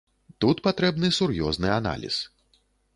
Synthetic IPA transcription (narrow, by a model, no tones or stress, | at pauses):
t̪ut̪pat̪ɾɛbnɨsurjɔznɨana̰lʲḭs